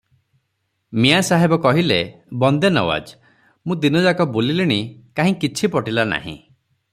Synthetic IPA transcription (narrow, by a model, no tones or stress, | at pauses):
miasaɦebɔkɔɦilebɔnd̪enɔ̰wa̰d͡ʒ | mũd̪inɔd͡ʒakɔbolileɽ̃ikaɦĩkit͡ʃʰipɔʈilana̰ɦḭ̃